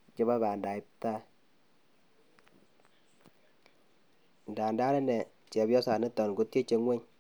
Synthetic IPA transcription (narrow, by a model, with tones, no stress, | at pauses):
t͡ʃe˦βa˦βa˨nda˨i˦p̚ta˦ | n̩˨da˨nda˦ɾɛ˦nɛ˨ | t͡ʃɛ˨bjɔ˦sa˨nɪ˦tɔ˨n˨ɡo˦te˦t͡ʃe˨ŋwe˦ɲ